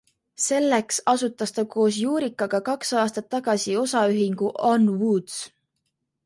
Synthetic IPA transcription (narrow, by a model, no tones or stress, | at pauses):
se̞lːe̞ksɑsut̪ːˑɑst̪ɑkʰo̞ːs̬juːɾikːˑɑɡ̥ɑkɑksɑːst̪ɑt̪ːɑɡ̥ɑsio̞sɑyɦiŋɡ̥uʔɑnwuːd̪s